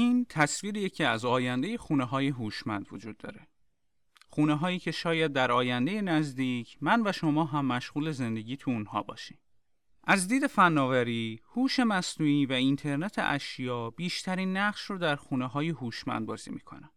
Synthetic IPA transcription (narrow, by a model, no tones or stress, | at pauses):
iːnt̪ʰæsviːɾijecʰiæzɒːjænd̪e̞jexuːneɦɒːjeɦuːʃmænd̪vod͡ʒuːd̪̚ːɒ̰ːɾe̞ | xuːneɦɒːiːcʰe̞ʃɒːjæd̪̚ːæɾɒːjænd̪e̞je̞næzd̪iːcʰmænvæʃo̞mɒːɦæmːæʃʁuːle̞ze̞nd̪e̞ɟiːt̪ʰuunhɒ̰ːbɒ̰ːʃim | ʔæzd̪iːd̪e̞fænːɒːvæɾiːhuːʃe̞mæsnuːiːvæint̪ʰe̞ɾnet̪ʰḛʔæʃjɒːb̥iːʃt̪ʰæɾiːnːæʁʃrod̪æɾxuːneɦɒːjeɦuːʃmæ̰nd̪̚bɒːzḭːmiːkʰo̞̰næm